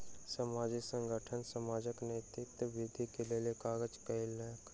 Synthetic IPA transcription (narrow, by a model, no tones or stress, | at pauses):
səmaːd͡ʒisə̃ŋɡʱəʈʰənsəmaːd͡ʒəkneːt̪ɪt̪ʋɪd̪ʱikelelekaːɡəd͡ʒkəɪlək